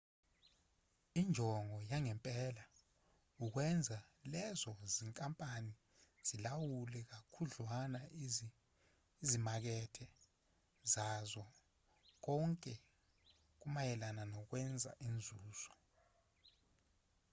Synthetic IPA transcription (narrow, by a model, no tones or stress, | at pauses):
ind͡ʒʱɔŋɔjaŋɛmpʼɛla | uk̬wɛnd͡zʱalɛzɔziŋkʼampʼani | z̥ilawulɛk̬akʰuɮwana | izimak̬ɛtʰɛ | zazɔ | k̬ɔŋkʼɛ | k̬umajɛlananɔk̬wɛnd͡zʱa̰ʔind͡zʱuːz̥ɔ